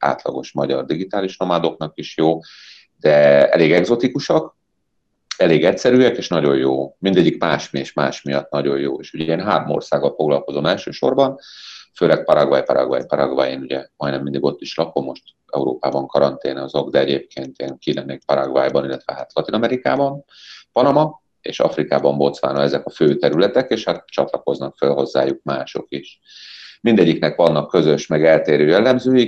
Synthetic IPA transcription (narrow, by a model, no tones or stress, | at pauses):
a̰ːt̪lɒ̰ɡo̞ʃmɒɟɒrd̪iɡit̪aːliʃnomad̪o̞knɒkiʃjoː | d̪̥ɛɛ̰leːɡɛɡzo̞t̪ikuʃɒk | ɛleːɡɛcsɛɾyːɛkeːʃnɒɟo̞joːmind̪ɛɟːikmaːʃmeːʃmaːʃmijɒt̪nɒɟo̞joːeːʃuɟɛeːnɦaːromo̞̰rsaːɡːɒlfo̞ɡlɒlko̞zo̞mɛlʃøːʃo̞̰rbɒnføːlɛk̚pɒɾɒɡvɒjpɒɾɒ̰ɡva̰jpɒɾɒɡvɒjeːnuɟɛmɒjnɛmind̪iɡo̞t̪ːiʃlɒko̞mːo̞ʃt̪ | ɛ̰uɾo̰ːpaːbɒŋkɒɾɒnt̪eːnɒzoɡd̪ɛɛɟeːp̚kʰeːnt̪iɛŋkilɛnːekpɒɾɒɡvaːjbɒnilːɛt̪ʋɛɦaːt̪lɒt̪inɒmɛɾika̰ːbɒn | pɒnɒmɒ | ḛːʃɒ̰frikaːbɒmbo̞t̪sʋaːnɒɛzɛkɒføːt̪ɛɾylɛt̪ɛkeːʃhat̪t͡ʃɒt̪lɒko̞znɒkfølɦo̞zːa̰ːjuk̚maːʃo̞̰kiʃ | mind̪ɛɟːiknɛkʋɒnːɒkːø̞zøʃmɛɡɛlt̪eːɾøːjɛlːɛmzøːji